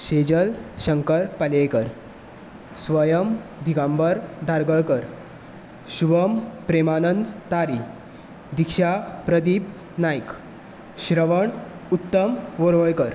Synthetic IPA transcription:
ɕed͡ʑəlɕəŋkəɾpəlekəɾ | sʋəjəmd̪ʱikãmbəɾd̪ʱaɾɡəɭkəɾ | ɕubəmpɾemanənd̪t̪aɾi | d̪ikɕapɾəd̪ip | najk | ɕɾəʋəɳut̪ːəmʋoɾʋəjkəɾ

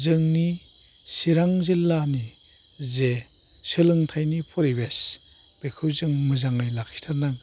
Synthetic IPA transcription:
zɯŋni | siɾaŋzilːani | ze | sɯlɯŋtʰajnipʰɔɾibes | b̥ekʰɯwzɯŋmɯzaŋɯjlakʰi̥tʰaɾnaŋ

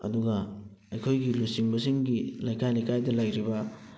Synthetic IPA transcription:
ɐ̰duɡɐ | ɐjkʰojɡilusiŋbɐsiŋɡilajkʰajlajkʰajdɐlajɾibɐ

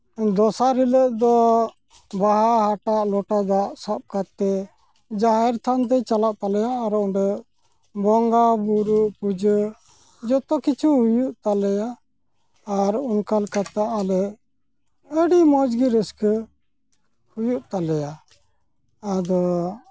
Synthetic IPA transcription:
d̪ɔsaɾiləʔd̪ɔ | baɦahaʈaʔlɔʈad̪aʔsap̚kat̪ːɛ | d͡ʒaɦɛɾt̪ʰant̪ɛt͡ʃalaʔt̪alɛjaːɾɔʔɖə | bɔŋɡabuɾuʔpud͡ʒə | d͡ʒɔt̪ɔkit͡ʃʰuɦujuʔt̪alɛjaː | ɾunkalkat̪aʔalɛ | əɖimɔd͡ʒɡiɾəskə | hujuʔt̪alɛja | d̪ɔ

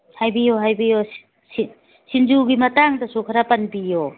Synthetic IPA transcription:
hajbijoɦajbijo | si | sind͡ʒuɡimɐtaŋdɐsukʰaɾapanbijo

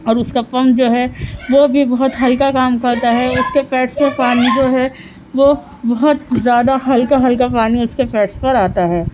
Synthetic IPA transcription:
ɔːɾʊskapɐ̃mpd͡ʒoːɦɛʋobʱibɐɦʊt̪ɦɐlkakaːmkɐɾt̪aɦɛʊskepɛːʈspɐɾpaːnid͡ʒoːɦɛ | ʋo | bɐɦʊt̪zjaːd̪aɦɐlkaɦɐlkapaːniʊskepɛːʈspɐɾaːt̪aɦɛː

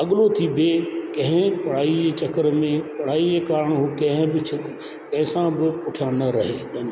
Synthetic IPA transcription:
ɐɠlot̪ʰibʱekɐ̃ɦɪ̃pɐɽ̤aːieːt͡ʃɐkəɾmẽpɐɽ̤aːieːkaːɾəɽ̃ɦukɐ̃ɦɪ̃bɪt͡ʃʰɪt̪ | kɐ̃ɦɪ̃sãbɪpʊʈʰjãnɐɾɐɦeːɐn

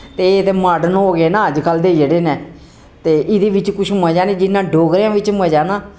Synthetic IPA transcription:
t̪eːt̪eːmaːɖənɦoːɡeːnãːəd͡ʒkəld̪eːd͡ʒəɽeːnɛː | t̪eːʔɪd̪eːʋɪt͡ʃkʊʃʰməd͡ʒaːneːd͡ʒɪnːãːɖoːɡɾjãːʋɪt͡ʃməd͡ʒaːnaː

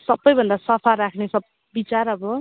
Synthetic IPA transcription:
sʌbːʌjbʱʌnd̪asʌpʰaɾakʰnesʌb | bit͡saɾʌbʌ

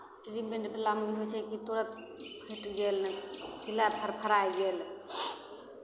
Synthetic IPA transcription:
ʈɾimbeɳʈpʰelamiɦojt͡ʃʰɛkit̪oɾət̪̚ | pʰeʈɡelnɛsilapʰəɾpʰəɾajɡel

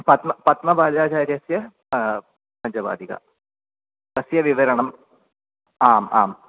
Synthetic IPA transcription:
pɐt̪mɐpɐt̪mɐbaːd͡ʒaːd͡ʒaːɾɐsjɐ | pɐnd͡ʒɐba̰ːd̪ʱiɡɐ̰ | tɐsjɐʋiʋɐɾɐɳɐm | aːma̰ːm

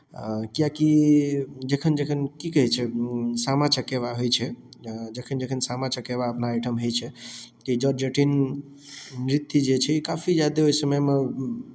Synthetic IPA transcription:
kijaki | d͡ʒekʰənd͡ʒekʰənkikəɦɛt͡ʃʰɛsamat͡ʃəkeβaɦojt͡ʃʰɛd͡ʒekʰənd͡ʒekʰənsamat͡ʃəkeβaəpnaːjʈʰəmɦojt͡ʃʰɛt̪ɔid͡ʒɔɾd͡ʒeʈin | ɾit̪ːid͡ʒet͡ʃʰɛikapʰid͡ʒjad̪eojsəməjme

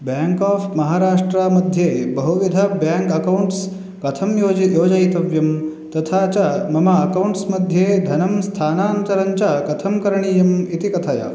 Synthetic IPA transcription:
bjaːŋkaːpmɐɦaːɾaːʂʈɾamɐd̪ʱjeːbɐɦuʋid̪ʱɐbjaːŋkɐkɐwɳʈs | kɐt̪ʰɐmjoːd͡ʒjoːd͡ʒɐit̪ɐʋjɐm | t̪ɐt̪ʰaːt͡ʃɐmɐmaɐkɐwuɳʈsmɐd̪ʱjeːd̪ʱɐnɐmst̪ʰaːnaːnt̪ɐɾɐɲt͡ʃɐkɐt̪ʰɐmkɐɾɐɳijɐmit̪ikɐt̪ʰaja̰

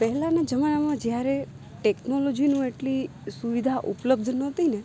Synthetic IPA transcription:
pɛɦɛlãned͡ʒəmanamãd͡ʒjaɾe | ʈeknolod͡ʒinũeʈli | suʋid̪ʱaʔupləb̚d̪ʱnɔt̪ine

